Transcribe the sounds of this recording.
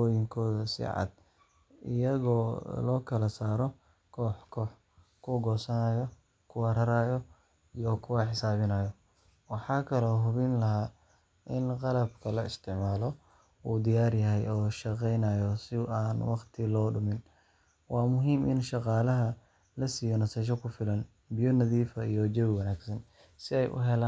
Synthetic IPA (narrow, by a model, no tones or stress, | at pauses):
ɔːjɪŋkʰɔːðɐsɪ̰ʕɑ̰d̪ | ʔɪ̰jɐɣɔːlɔːkʰɐlɐsaːɾɔ | kʰɔːħkʰɔːħ | kʰʊɡɔːsɐnɐjɔ | kʰʊwɐɾɐɾaːjɔ | ijɔkʰʊwɐħɪsaːβɪnɐːjɔ | wɑħɑːkʰɐlɔɦʊβɪnlɐɦaː | ʔɪnqɑlɐbkʰɐlɐɪst̪ʰɪʕmaːlɔ | uːd̪ɪjaːrjɐɦɛjɔːʃɑqɛjnajɔsɪaːnwɑqt̪ʰɪlɔːɖʊmɪn | wɑːmʊɦiːmʔɪ̰nʃɑqɑːlɐɦɐ | lɐsiːjɔnɐsɛʃ̬ɔkʰʊfɪlɐn | bɪjɔnɐðiːfɐijɔd͡ʒɛwwɐnaːɡsɐn | sɪɛjʔʊ̰ɦɛlaː